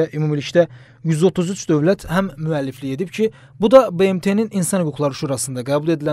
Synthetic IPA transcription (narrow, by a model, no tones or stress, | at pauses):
æʔymumilicʰd̪æ | jyzo̞t̪ʰuzyt͡ʃd̪ø̞vlæt̪ʰhæmːyælːiflie̞d̪ibp̚cʰi | bud̪ɑbe̞emt̪ʰe̞nininsɑnhyɡuɡlˠɑɾɯʃuːɾɑsɯnd̪ɑɡæːbulˠe̞d̪ilæ